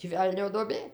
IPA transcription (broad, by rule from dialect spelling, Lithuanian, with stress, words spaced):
tʲiː ˈʋʲɛlʲnʲoː duɔˈbʲeː